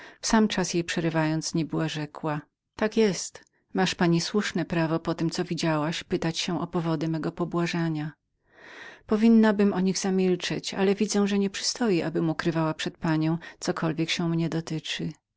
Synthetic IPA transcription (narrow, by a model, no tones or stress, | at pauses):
fsamt͡ʂasjejpʂɛɾɘvajɔnt̪sɲɛbɘwaʐɛkwa | t̪akjɛst̪ | maʂpaɲiswuʂnɛpɾavɔpɔt̪ɘmtsɔvʲid͡ʑawaɕpɘt̪at͡ɕɕɛ̃ʔɔpɔvɔd̪ɘmɛɡɔpɔbwaʐaɲa | pɔvʲinːabɘmɔɲiɣzamʲilt͡ʂɛ̰t͡ɕa̰lɛvʲid̪zɛw̃ʐɛɲɛpʂɨ̥st̪ɔjiʔabɘmukɾɘvawapʂɛt̪̚paɲɔ̃w̃t̪sɔkʰɔlvʲjɛkɕɛmɲɛd̪ɔt̪ɘt͡ʂɘ